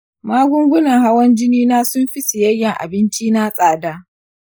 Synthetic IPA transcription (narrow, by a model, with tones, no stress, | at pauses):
maː˦ɡʷʊ˦ŋɡʷʊ˦nɐ˨ŋha˦wɐ˦nd͡ʒɪ˦niː˦naː˦sʊ˦mɸi˦sɪ˨jɐ˦jːɛ˨ŋʔa̰˨bɪ˦nt͡ʃiː˦naː˦sʼaː˨daː˦